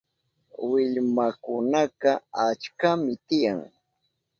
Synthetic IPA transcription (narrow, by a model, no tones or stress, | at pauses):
wɪʎmakʊnɑqɑat͡ʃkamɪt̪ɪjaŋ